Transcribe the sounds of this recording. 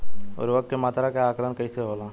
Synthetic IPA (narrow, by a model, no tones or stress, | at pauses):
ɔ̰ːɾʋəkemaːt̪ɾakeaːklənkəiseɦoːlãː